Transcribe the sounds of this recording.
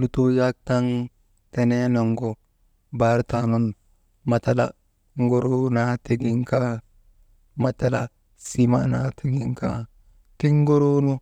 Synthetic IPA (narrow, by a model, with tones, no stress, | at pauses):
lu˨tu˦ja˦k̚ta˦ŋ | te˨ne˦no˨ŋɡo˨ | ba˨˦ɾtano˦n | ma˨ta˦la̰˨ | ŋɡo˦ɾo˦na˦ti˨ɡi˦ŋka˦ | ma˨ta˦la | si˦mana˦tʰi˦ɡi˦ŋka˦ | ti˦ŋ˦ɡo˦ɾo˦nu˦